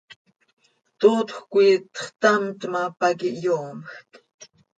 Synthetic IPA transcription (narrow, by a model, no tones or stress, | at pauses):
t̪oːt̪xkʷiːt̪ə̥χt̪amt̪mapakiʔjoːmxt̪ʼ